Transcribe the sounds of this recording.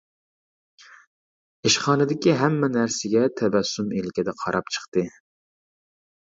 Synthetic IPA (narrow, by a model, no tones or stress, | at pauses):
eʃχɑːnɨd̪ɪkʲiɦɛmːɛnæɾsɪɡʲɛt̪ʰɛbæsːumelkʲʰɛd̪ɛqʰɑɾɑpt͡ʃʰə̥χt̪ɨ